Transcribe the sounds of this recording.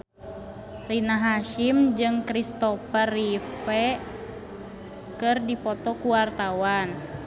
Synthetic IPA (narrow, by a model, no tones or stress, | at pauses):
rinaɦaʃimd͡ʒɨŋkɾist̪ɔfərifɛ | kɨrdipɔt̪ɔkuwart̪awan